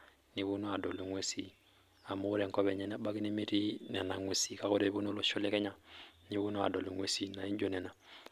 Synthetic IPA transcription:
ni˨βu˦no˦a˨dɔ˨lo˨ŋwe˦si˦ | a˨mo˦ɾɛ˨ŋ˨kɔ˦βɛ˨ɲɛ˨na˦ba˦ki˦ne˦mi˦ɾi˦nɛ˨na˨ŋwe˨si˨ka˦ko˦ɾe˨˦βu˦no˦lo˦ʃo˦lɛ˦kɛ˦ɲa˦ni˨βu˦no˦a̰˨dɔ˨lo˨ŋwe˨si˦na˨i˦ɲd͡ʒo˦nɛ˨na˨

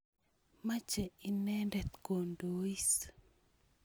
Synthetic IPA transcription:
ma˦t͡ʃɛ˨i˨nɛ˦ndɛ˨t̪ko˨ndo˦i˦s

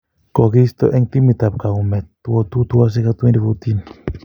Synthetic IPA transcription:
kɔ˨kist̪ɔ̰˦ʔɛ˦ŋt̪i˦mi˨t̪a˨p̚ka˨umɛ˨t̪ːuɔt̪u˦t̪u˦as̬ɛkat̪u˦ɛ˦ndi˨fot̪in

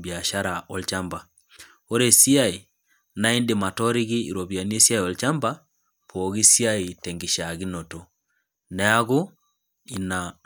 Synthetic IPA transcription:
bja˨ʃa˦ɾa˨ʔɔ˨lt͡ʃa˦mba˨ | o˦ɾe˦si˦a˦˨i˨ | na˦i˦ndɪ˨ma˨tɔ˦ɾi˦ɣɪ˦ḭ˨ɾo˨bja˨ni˦e˦si˦a˦jɔ˨lt͡ʃa˦mba˦ | pʰɔ˨ɣi˦si˦a˦i˨tɛ˨ŋɡi˨ʃa˨ɣi˦no˨to˨ | nɛ˦a˦ɣʊ˦ | i˨na˨

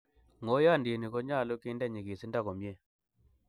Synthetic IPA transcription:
ŋo˦ja˦˨ndi˨ni˨kɔ˨˦ɲa˦˨lo˦kɪ˦ndɛ˦˨ɲi˨ki˨si˦nda˦˨kɔ˨mje˦˨

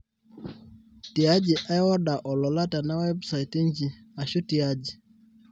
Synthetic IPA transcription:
ti˨ad͡ʒi˨ʔaɔ˦ɗa˨ʔɔ˨lɔ˨la˦ta˨nawɛbsaiti˦ɲd͡ʒi˨ | aʃutiad͡ʒi˨

